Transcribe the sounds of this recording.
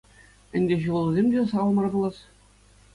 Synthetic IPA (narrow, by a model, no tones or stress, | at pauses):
ɘ̆nʲdʲeɕulˠuzʲemʲdʲesɑɑlˠmɑrbɤ̆lˠɑs